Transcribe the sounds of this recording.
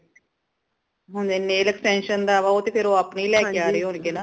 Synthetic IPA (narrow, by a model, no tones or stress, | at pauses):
ɦãneneːləksɛ̃ːnʃənd̪aːʋaːoːt̪eːpʰɪɾoːapniːlɛːkeaːɾəeːɦʊnɡeːnaː